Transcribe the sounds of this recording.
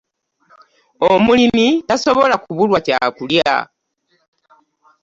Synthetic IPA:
omulinitaso̞βo̞lakuβulwaca̰kulja̰

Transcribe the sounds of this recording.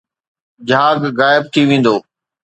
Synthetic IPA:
d͡ʑʱaːɡːaːɪb̚t̪ʰiʋẽːn̆d̪oː

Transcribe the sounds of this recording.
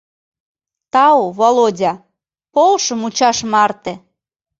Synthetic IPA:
t̪ɑoβolodʲɑ | polʃəmut͡ɕɑʃmɑrt̪ĕ

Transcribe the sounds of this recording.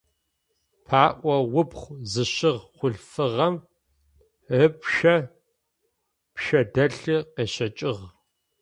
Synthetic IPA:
pʰaːʔʷɐwʊpχʷzɨɕɨʁχʷʊɮfɨʁɐm | əpʃɐ | pʃɐdɐɬɨqeːɕɐt͡ʃʼɪʁ

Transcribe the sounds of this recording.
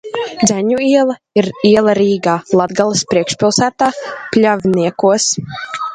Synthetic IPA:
d̪zʲæɲuiɛlˠɐ | iɾiɛlˠaɾiːɡaːlˠad̪ɡalˠɨspɾiɛkʃpʲilˠsæːt̪aːplʲavʲniɛkuɔs

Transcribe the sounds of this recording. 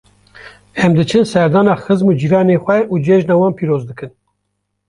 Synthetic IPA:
ɛmd̪ɨt͡ʃʰɨnsɛɾd̪ɑːnɑːxɨzmuːd͡ʒiːɾɑːneːxʷɛʔuːd͡ʒeʒnɑːwɑːnpʰiːɾoːzd̪ɨkɨn

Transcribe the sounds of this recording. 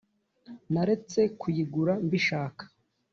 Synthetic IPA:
naɾe̞t͡se̞kʰujiɡuɾambiʃaːkḁ

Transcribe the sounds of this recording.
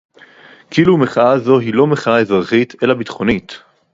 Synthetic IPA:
kilumeχaazo̞ɦilo̞meχaaezʁaχitʰe̞labitχo̞nit

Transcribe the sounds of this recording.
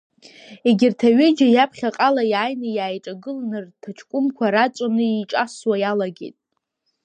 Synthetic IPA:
eɡʲɪrtʰaɥɪd͡ʒajapʰχʲaqʼalajaːjnɨjaːjʈ͡ʂʼaɡɨlnɨrtʰaʈ͡ʂʰkʷʼʊmkʷʰaɾat͡ʃʷʼanɨiʈ͡ʂʼaswajalaɡʲḛjtʼ

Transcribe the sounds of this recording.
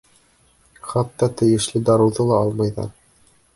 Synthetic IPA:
χɑt̪ːɑt̪ɘ̆jɘ̆ʃlɘd̪ɑɾɤ̆wðɤlˠɑɑlˠmɑjðɑ̰

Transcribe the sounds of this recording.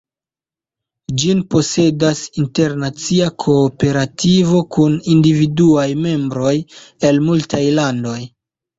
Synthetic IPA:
d͡ʒinpo̞se̞dasinte̞ɾnat͡siakʰo̞ːpe̞ɾativo̞kunindividuajme̞mbɾo̞je̞lmultʰajlando̞j

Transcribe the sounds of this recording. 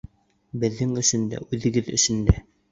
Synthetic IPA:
bɘ̆ðːɘŋɵ̆ʃɵ̆nd̪æ̰ʔʉðɘ̆ɡɘðɵ̰̆ʃɘ̆nd̪æ

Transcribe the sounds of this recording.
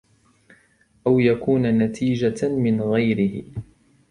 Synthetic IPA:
ʔawjakuːnanat̪ʰiːd͡ʒamɪnɣajɾɪhɪ

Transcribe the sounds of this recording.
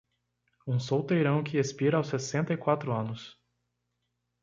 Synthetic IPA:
ũsowt̪ejɾɐ̃w̃kʰɪespiɾɐawsesẽnt̪ɐikwat̪ɾʊɐ̃nʊs

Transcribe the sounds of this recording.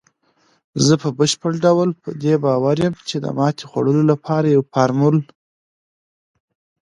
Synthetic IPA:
zəpəbəʃpəɽɖawlpəd̪ebɑwaɾjəmt͡ʃed̪ə̰mɑt̪ʰe̥xwa̰ɽəlolapʰɑɾajawpaɾmʊl

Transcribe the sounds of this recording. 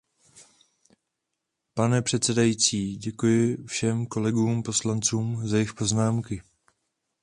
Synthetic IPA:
panɛpr̝̥ɛt̪t͡sɛdajit͡siːɟɛkujɪfʃɛmko̞lɛɡuːmpo̞slant͡suːmzajɪxpo̞znaːmkɪ

